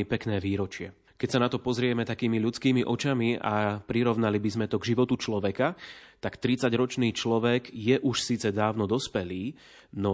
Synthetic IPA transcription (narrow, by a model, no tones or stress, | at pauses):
ipɛknɛːʋiːɾɔt͡ʃɪɛ | kɛcsanat̪ɔpɔzɾɪɛmɛt̪akiːmiʎut͡skiːmiʔɔt͡ʃamia̰pɾiɾɔʊnalibizmɛt̪ɔɡʒiʋɔt̪ut͡ʃlɔʋɛkat̪akt̪ɾit͡saɟɾɔt͡ʃniːt͡ʃlɔʋɛɡjɛʔuʃsiːt͡sɛd̪aːʊnɔd̪ɔspɛliː | nɔ